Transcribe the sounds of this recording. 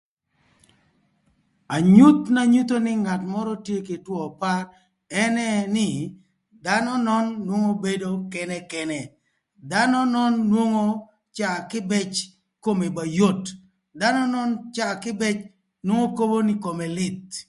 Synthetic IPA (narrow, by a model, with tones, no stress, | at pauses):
a˨ɲu˦t̪na˦ɲu˦t̪o˦nɪ˦ŋa˨tmɔ˦ɾɔ˦tje˦ke˨twɔ˨pa˦ | ɛ˦nɛ˦nɪ˦ | da˦nɔ˦nɔ˦nːwo˦ŋo˦be˦do˦kɛ˦nɛ˦kɛ˦nɛ˨ | da˦nɔ˦nɔ˦nːwo˦ŋo˦ | t͡ʃa˨kɪ˦bɛ˦t͡ʃ | ko˦me˨ba˨jo˦˨t | da˦nɔ˦nɔ˦nt͡ʃa˦˨kɪ˦bɛ˦t͡ʃ | nwo˦ŋo˦ko˦bo˦nɪ˦ko˨mɛ˨lɪ˦t̪̚